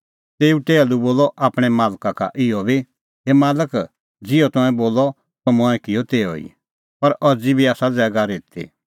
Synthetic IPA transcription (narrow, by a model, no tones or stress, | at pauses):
t̪eːuʈeːaluboːlɔʔaːpɽ̃ɛmaːlkaka̰ʔɪjɔbʱi | ɦemaːlək | d͡zɪɔt̪ɔ̃ɛ̃boːlɔ | t̪ɔmɔ̃ɛ̃kɪjɔt̪eːɔ̰ḭ | pɐɾʔɔd͡zibʱiaːsad͡zɛːɡaɾeːt̪ʰḭ